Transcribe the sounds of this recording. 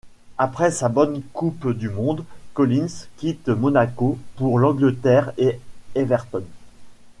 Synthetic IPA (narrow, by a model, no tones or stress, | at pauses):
apχɛsabɔnkupd̪ymɔ̃d̪kɔlinskʲit̪mɔnakopuʁlɑ̃ɡlət̪ɛʁeevɛʁt̪ɔn